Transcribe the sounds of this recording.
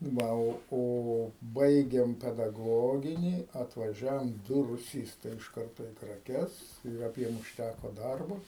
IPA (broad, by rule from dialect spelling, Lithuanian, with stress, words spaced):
ˈʋɐ oː ˈoː ˈbɐɪɡʲeːm pʲɛdɐˈɡoːɡʲɪnʲiː ɐtʋɐˈʒʲæːʋoːm ˈdʊ rʊˈsʲiːstɐɪ ɪʃ ˈkɐrtoː iː krɐˈkʲɛs ɪr ɐˈbʲiɛm ʊʃʲˈtʲækoː ˈdɐrboː